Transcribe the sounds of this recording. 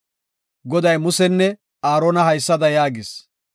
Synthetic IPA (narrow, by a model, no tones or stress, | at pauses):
ɡɔd̪ɐjmʊsɛnːɛ | aːɾoːnɐhɐjsːɐd̪ɐjaːɡɪs